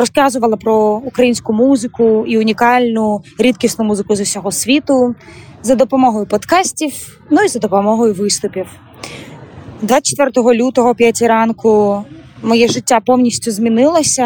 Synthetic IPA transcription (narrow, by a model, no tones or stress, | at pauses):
ɾɔskɑzʊʋɐlˠɐpɾɔukɾɐjinʲsʲkʊmuzɪkʊiʊnʲikɑlʲnʊɾʲid̪kʲisnʊmuzɪkʊzʊsʲɔɦɔsʲʋʲit̪ʊzɐd̪ɔpɔmɔɦɔjʊpɔt̪kɑsʲtʲiw | nʊizɐd̪ɔpɔmɔɦɔjʊʋɪst̪ʊpʲiw | d̪ʋɑt͡ʃe̥t̪ʋɛrt̪ɔɦɔlʲut̪ɔɦɔpʲjatʲiɾɑnkʊ | mɔjɛʒɪtʲːapɔwnʲisʲtʲʊzmʲinɪlˠɐsʲɐ